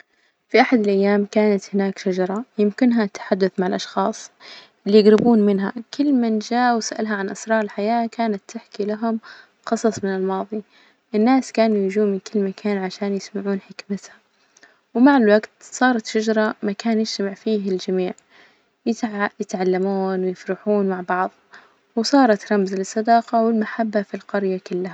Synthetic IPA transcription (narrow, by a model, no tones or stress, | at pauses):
fiʔaħad̪alʔajːaːmkaːnat̪hɪnaːkʃad͡ʒɑɾˤɑjɪmkɪnɦat̪ːḁħad̪ːʊθmaʕalʔɑʃxɑːsˤʔɪlːijɪɡɾɪbuːnmɪnɦakɪlːmand͡ʒaːʔwsaʔalɦaʕanʔɑsɾˤɑːɾˤɪlħajaːkaːnat̪ːɪħkilaɦʊm | xɑsˤɑsˤmɪnɪlmɑːðˤi | ʔɪnːaːskaːnujid͡ʒuːnmɪnkɪlːmakʰaːnʕaʃaːnjɪsmaʕuːnħɪkmɪt̪ha | wmaʕɪlwaɡt̪sˤɑːɾˤɑt̪ʃad͡ʒɾˤɑmakaːnjɪʃt̪amaʕfiːɦɪld͡ʒamiːʕ | jɪjɪt̪ʕalːamuːnwɪjɪfɾɪħuːnmaʕbɑʕðˤ | wsˤɑːɾˤɑt̪ɾˤɑmzlɨsˤːɑd̪ɑːqɑwɪlmaħabːafilqɑɾjakʊlːha